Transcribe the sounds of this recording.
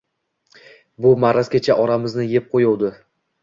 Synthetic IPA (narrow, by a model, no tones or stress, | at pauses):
bʊmaɾazkʲat͡ʃʰaʔɒɾamɪznɪjep̚qʰojowd̪ɪ